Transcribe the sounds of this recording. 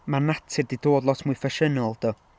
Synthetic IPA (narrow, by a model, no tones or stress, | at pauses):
manatʰɪrdidoːdlˠɔtʰmuːɨfɛʃənɔlˠd̥ɔ